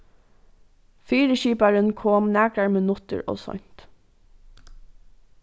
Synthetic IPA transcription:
fiːɾəʃiːpaɹənkʰoːmnæːkɾaɹmɪnʊt̪ə̰ɹɔ̰ːsɔ̰ɲ̥t̪

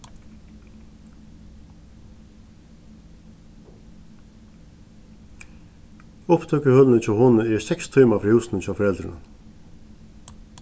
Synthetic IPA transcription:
ʊpt̪ʰœkəhœlːnət͡ʃʰaːwhʊnəɛɹsɛkst̪ʰyːmafɾihɪwsnət͡ʃʰaːwfɔɾɛlt̪ɾɪ̰nə̰

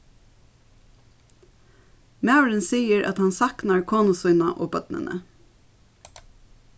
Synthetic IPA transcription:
mæːwɾɪnsiːəɾʔæ̰t̪hɑnsɑknaɹkʰoːnʊsuːnaʔoːbœt̪nə̰nə̰

